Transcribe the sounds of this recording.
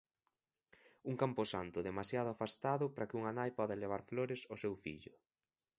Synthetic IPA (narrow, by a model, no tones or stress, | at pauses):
uŋkampʊsant̪ʊðemasjaðʊafast̪aðʊpɾakɪuŋanajpɔðaeleβ̞aɾfloɾɪsosewfḭʎʊ